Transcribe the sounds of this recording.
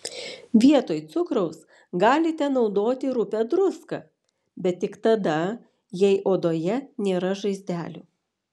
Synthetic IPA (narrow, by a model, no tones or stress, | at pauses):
ʋʲiɛt̪oːjt̪sʊkɾɐʊs | ɡɑːlʲɪt̪ʲɛnɒʊd̪oːt̪ʲɪɾʊpʲɛd̪ɾʊskɐ̰ | bʲɛt̪ːʲɪkt̪ɐd̪ɐ | jɛɪʔoːd̪oːjɛnʲeːɾɐʒɐɪzʲd̪ʲæːlʲʊː